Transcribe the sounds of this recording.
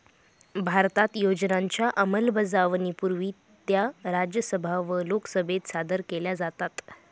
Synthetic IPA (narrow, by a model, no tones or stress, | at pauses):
bʱaɾt̪at̪jod͡ʑnaɲt͡ɕjaʔəməlbəd͡zaʋnipuɾʋiː | t̪jaɾad͡ʑjəsəbʱaʋəloksəbʱet̪sad̪əɾkeljad͡zat̪at̪